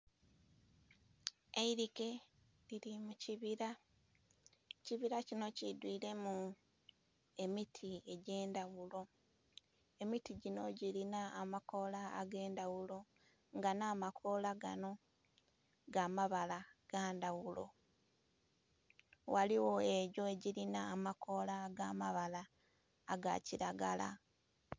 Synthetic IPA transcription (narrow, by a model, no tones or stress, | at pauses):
eiɾike̞ | liɾimuciβiɾa | ciβiɾacino̞cidwiːɾe̞mu | e̞mitʰie̞ɟe̞ːndawulo̞ | e̞mitiɟino̞ɟilinaːmako̞la̰ːɡe̞ːndawulo̞ | ŋɡanaːmakʰo̞laɡa̰no̞ | ɡaːmaβalaɡ̥aːndawulo̞̰ | waliwo̞e̞ɟo̞eɟiɾinaːmako̞laɡamaβalaː | ɡa̰ciɾaɡala̰